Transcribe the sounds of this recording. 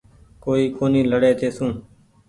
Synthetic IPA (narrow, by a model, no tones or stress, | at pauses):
koːiːkoːnĩːləɽeːt̪eːsũː